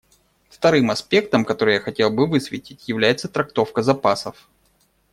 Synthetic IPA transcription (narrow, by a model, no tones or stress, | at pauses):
ft̪ɐɾɨmɐspʲe̞k̚t̪əmkɐt̪o̞ɾɨjaxɐtʲe̞lˠbɨvɨsvʲɪtʲɪtʲjɪvlʲæjɪt̪sət̪ɾɐk̚t̪o̞fkəzɐpasəf